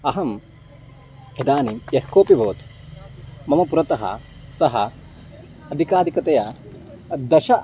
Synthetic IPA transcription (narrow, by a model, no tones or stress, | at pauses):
ɐɦɐm | ed̪aːnijehkoːpibʱoːt̪ | mɐmɐpuɾɐt̪ɐɦɐ̰sɐɦɐ̰ | ɐd̪ʱikaːd̪ʱikɐt̪ɐjɐ | d̪ɐʃɐ